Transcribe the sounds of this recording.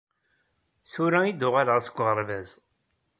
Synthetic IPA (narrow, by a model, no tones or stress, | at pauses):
θʊɾæid̪ʊʁaləʁsəɡʷːʁəɾˤvæz